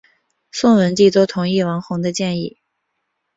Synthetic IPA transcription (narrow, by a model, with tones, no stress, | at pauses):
sʊ˥˩ŋwə˧˥nt̪i˥˩t̪wo˥t̪ʰʊ˧˥ŋi˥˩wɑ˧˥ŋxʊ˧˥ŋd̪ə˧t͡ɕjɛ˥˧ni˥˩